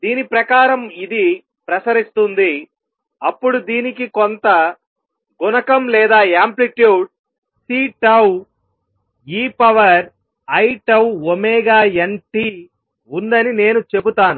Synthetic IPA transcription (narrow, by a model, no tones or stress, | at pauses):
d̪iːnipɾɐkaːɾɐmid̪i | pɾɐsɐɾist̪und̪i | ɐpːuɽud̪iːnikikont̪ɐ | ɡunɐkɐmlɛːd̪aːaːmpliʈjuːɖ̚ | siːʈɐw | iːpɐʋɐɾ | ɐjʈɐwomɛːɡaːeɳʈi | und̪ɐnine̞ːnut͡ʃe̞but̪aːnu